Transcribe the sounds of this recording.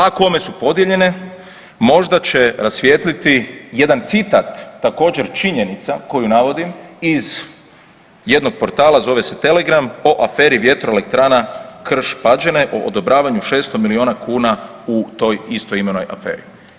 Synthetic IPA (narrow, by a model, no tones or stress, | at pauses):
ako̞me̞supo̞d̪jeʎe̞ne̞ | mo̞ʒd̪at͡ɕe̞ɾasʋʲjeːt̪lit̪ije̞d̪ant̪sit̪at̪ːako̞ːd͡ʑe̞ɾt͡ʃiɲe̞nit̪sako̞junaʋo̞d̪imiz | je̞d̪noɡ̚po̞ɾt̪aːlazo̞ʋe̞se̞̥t̪e̞le̞ɡɾamo̞ʔafe̞ːɾiʋje̞t̪ɾo̞e̞le̞k̚t̪ɾaːnakr̩ʃpad͡ʒene̞ʔoʔod̪o̞bɾaːʋaɲuʃe̞ːst̪o̞milio̞ːnakuːna | ut̪o̞jist̪o̞imenojʔa̰fḛːɾi